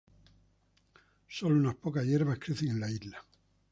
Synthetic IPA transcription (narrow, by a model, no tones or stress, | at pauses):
so̞lounaspo̞kazje̞ɾβaskɾeθeŋẽ̞nlaizla